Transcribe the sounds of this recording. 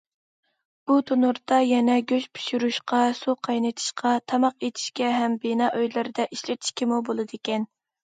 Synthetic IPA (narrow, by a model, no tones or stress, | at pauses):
b̥ut̪ʰonuɾt̪ɑjɛnɛɡʲøʃpʰy̥ʃyɾuʃqɑsuqʰɑjnɨt̪ʰi̥ʃqʰɑt̪ʰɑmɑqet̪ʰi̥ʃkʲɛɦɛmbenɑːʔøjlɪɾɪd̪ɛʔiʃlɪt̪ʰi̥ʃkʲimubolˠɨd̪ekʲɛn